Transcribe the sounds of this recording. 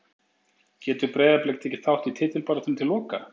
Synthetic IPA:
cɛːt̪ʏɾpɾɛːðaplejk̚t̪ɛhcɪ̥θawht̪it̪ʰɪːt̪ɪlpaɾat̪ʏmt̪ʰɪlːɔːka

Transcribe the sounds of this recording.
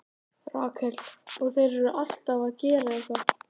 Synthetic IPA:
ra̰ːkʰɛlɔɣθejɾɛɾʏʔal̥t̪avaðcɛːɾaiθa

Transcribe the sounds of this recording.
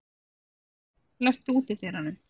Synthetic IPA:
lɛst̪uːt̪ɪt̪ɪɾhanːʏm

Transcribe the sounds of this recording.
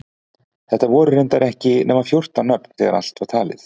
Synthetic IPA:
θɛht̪avɔːɾʏɾent̪aɾɛhcɪnɛːmafjor̥t̪anːœpn̥θɛːɣaɾa̰l̥t̪vaɾ̥t̪ʰaːlɪ̰θ

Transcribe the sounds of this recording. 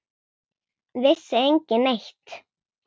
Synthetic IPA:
vɪsːɪejɲcɪneht̪

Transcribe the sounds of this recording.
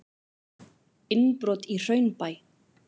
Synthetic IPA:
ɪnpɾɔːt̪ir̥œɥnpaj

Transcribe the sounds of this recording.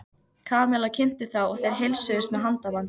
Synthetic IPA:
kʰaːmɛlacʰɪn̥t̪ɪθawɔɣθejɾ̥ɦejlsœʏst̪mɛðɦant̪aman

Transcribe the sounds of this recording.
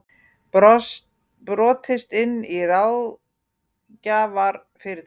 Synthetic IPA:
pɾɔːt̪ʰɪst̪ɪnːirawð | caːvaɾ | fɪɾɪ

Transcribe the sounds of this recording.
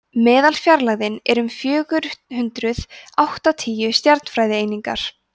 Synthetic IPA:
mɛːðalfjaɾlaɣðɪnɛɾʏmfjœːɣʏɾhʏnt̪ɾʏð̥awht̪at̪ʰiːjʏst̪jaɾt̪n̥fɾaːjðɪeːjniŋka̰ɾ̥

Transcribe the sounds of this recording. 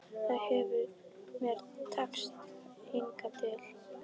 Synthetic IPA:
θaðhɛvʏɾmɛɾt̪ʰakst̪ɪŋkat̪ʰɪl

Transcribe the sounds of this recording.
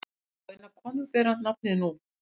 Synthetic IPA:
enakʰɔnupɛːɾant̪nap̚nɪnu

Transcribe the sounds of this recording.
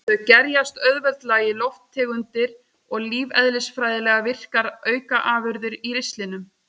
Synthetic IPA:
θɛðcɛɾjast̪œðvɛlt̪laːjɪlɔwft̪ʰːɛːɣʏnt̪ɪɾ | ɔɣliːvɛðlɪsfɾaːjðɪlɛːɣavɪr̥kaɾœːɥkaʔaːvʏɾðʏɾiɾɪst̪lɪnʏm

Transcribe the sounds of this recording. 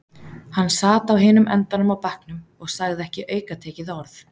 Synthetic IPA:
hanːsaːt̪awɦɪːnʏmʔɛ̰nt̪anʏmawpahknʏmɔɣsaɣðɛhcɪʔœːɥkat̪ʰeːjcɪðɔɾθ

